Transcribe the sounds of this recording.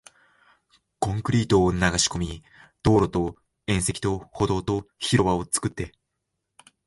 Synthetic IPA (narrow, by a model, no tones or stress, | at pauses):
kõ̞ŋkɯ̟ɾʲiːt̪o̞ːnaɡaɕi̥ko̞mʲi | d̪̥o̞ːɾo̞t̪o̞ | ẽ̞ɰ̃se̞kʲi̥t̪o̞ho̞d̪o̞ːt̪o̞çiɾo̞βaot͡sɨ̥kɯ̟t̪ːe̞